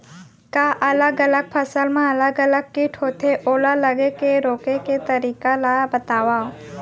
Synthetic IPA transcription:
kaʔɐləɡələɡ̚pʰɐsəlmẽɐləɡələɡ̚kiʈʰoːt̪ʰeʔoːlaləɡekeɾoːkeket̪əɾiːkalabət̪aːʋa

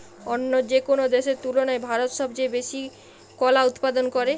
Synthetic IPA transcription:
onːod͡ʑekonod̪eʃeɾt̪ulonaebʱaɾot̪ʃɔbd͡ʑebeʃi | kɔlaut̪pad̪onkoɾe

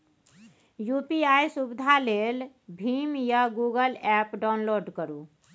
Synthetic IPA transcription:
jupiajsubid̪ʱalel | bʱimjaɡuɡəlɛpɖaʊnloɖkəɾu

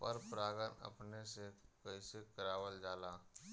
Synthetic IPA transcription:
pəɾpɾaːɡənə̰pnesekəisekəɾaːwəld͡ʒaːlaː

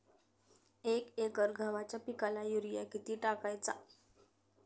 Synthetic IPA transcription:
ekekəɾɡʱaʋat͡ɕjapikalajuɾijakit̪iːʈakajt͡sa̰

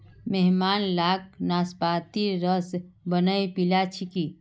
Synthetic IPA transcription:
meɦmaːnlak̚naspat̪iɾəsbənəjpilat͡ʃʰiki

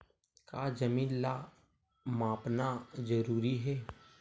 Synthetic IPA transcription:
kad͡ʒɐmĩːnla | maːpnazəɾuːɾiɦɛː

